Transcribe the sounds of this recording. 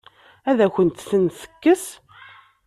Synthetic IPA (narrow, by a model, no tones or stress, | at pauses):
æðæçənt̪θənθə̥kːəs